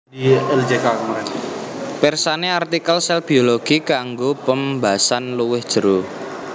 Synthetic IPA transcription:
iɛld͡ʒekakməɾɛ | pɛrsaneart̪ikəlsɛlb̥ioloɡ̥ikaŋɡopəmbasanluwɪhd̥ʒ̥ə̤ɾu

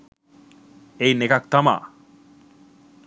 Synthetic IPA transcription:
ejnekak̚t̪ama̰

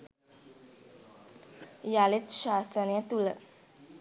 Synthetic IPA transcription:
jalit̪ʃaːsəniət̪ulə

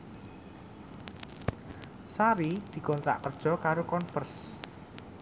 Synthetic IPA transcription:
saɾid̪̥i̤kɔnt̪ɾa̰ʔkərd̥ʒ̥ɔ̤kaɾokɔnfərs

